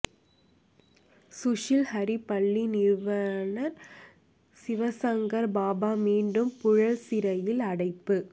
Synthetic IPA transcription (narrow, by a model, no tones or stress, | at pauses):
sʊʂɪlhɐɾipɐɭːinɪɾʋɐnɐɾ | sɪʋɐsɐŋɡɐɾbaːbaːmiːɳɖɯmpʊɻɐɭsɪɾɐjɪlɐɽɐɪpːɯ